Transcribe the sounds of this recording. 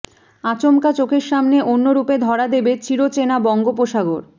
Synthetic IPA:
at͡ɕomkat͡ɕokʰeɾʃamneʔonːoɾuped̪ʱɔɾad̪ebet͡ɕiɾot͡ɕenabɔŋɡop̬oʃaɡoɾ

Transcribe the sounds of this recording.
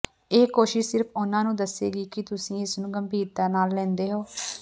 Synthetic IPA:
eːkoːʃɪʃsɪɾpʰʊnãːnũːd̪əsḛːɡiːkɪt̪ʊsĩːɪsnũːɡəmbʱiːɾd̪aːnaːlːɛ̃ːnd̪eːɦoː

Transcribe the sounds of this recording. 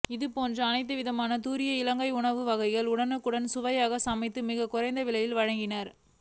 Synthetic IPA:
ɪðɯpoːndrɐːnɐɪt̪̬ːɯʋɪðɐmaːnɐt̪uːɾɪjɐɪlɐŋɡɐɪʊɳɐʋɯʋɐɣɐɪɣɐɭʊɽɐnɯkːɯɽɐnsʊʋɐjaːɣɐsɐmɐɪt̪ːɯmɪɣɐkʊrɐɪnd̪ɐʋɪlɐjɪlʋɐɻɐŋɡɪnɐɾ

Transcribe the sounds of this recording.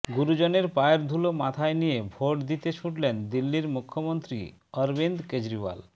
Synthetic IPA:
ɡuɾud͡ʑoneɾpaeɾd̪ʱulomat̪ʰaenijebʱoʈd̪it̪et͡ɕʰuʈlend̪ilːiɾmukʰːomont̪ɾḭ | ɔɾbind̪ked͡ʑɾiβa̰l

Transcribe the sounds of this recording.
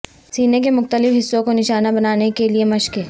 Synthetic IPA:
siːnek̬emʊxt̪əlɪfɦɪsːõkonɪʃaːnabɐnaːnekeliemɐʃke

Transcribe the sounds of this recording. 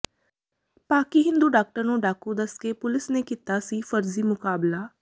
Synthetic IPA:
paːkiːɦɪ̃nd̪uːɖaːk̚ʈəɾnũːɖaːkud̪əskepʊlɪsneːkit̪aːsiːfəɾziːmʊkaːblaː

